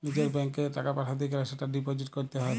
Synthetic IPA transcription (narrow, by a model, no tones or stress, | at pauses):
nid͡ʑeɾbɛŋkeʈakapaʈʰad̪ikaɾaʃeʈaɖipod͡ʑiʈkoɾt̪eɦɔe